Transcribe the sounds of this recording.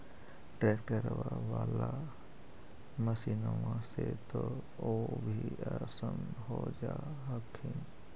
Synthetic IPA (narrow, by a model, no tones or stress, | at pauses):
ʈɾek̚ʈkəɾʋaʋaːla | məsinoʋãset̪o | obʱiəsəmɦod͡ʒaɦəkʰɪn